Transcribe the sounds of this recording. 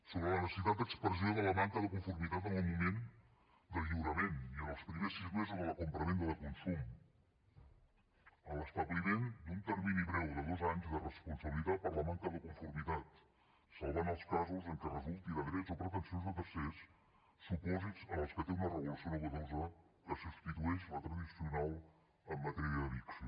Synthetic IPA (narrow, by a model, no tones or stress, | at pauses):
soβɾələnəsə̥sit̪at̪̚d̪əkspɾəzioðələmaŋkəðəkuɱfuɾmit̪at̪̬ənəlˠmumen | d̪əʎiwɾəmeniənəlˠspɾimesizmezuzðəlˠəkumpɾəmend̪əðəkunsum | ələst̪at̪̚bβiβend̪unt̪əɾminiβɾɛwðəðozaɲzðərəspunsəβəlit̪at̪̚pəɾləmaŋkəðəkuɱfuɾmit̪at̪ | səlˠβanəlˠskazuzəŋkərəzulˠt̪iðəðɾɛzopɾət̪ənsionzðət̪əɾsesː | upɔzizənəlˠskət̪eunərəɣulusionuɣəðozə | kəsust̪it̪uɛʃlət̪ɾəðisiunalˠ | əmːət̪ɛɾiəðəβiks